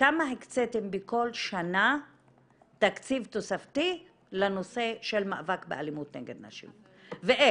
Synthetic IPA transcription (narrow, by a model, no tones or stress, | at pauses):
kamaɦekt͡setembeko̞lʃana | t̪akt͡sivt̪osaft̪i | lano̞se̞ʃelmaʔavakbeʔalimut̪neɡed̪naʃḭm | veʔe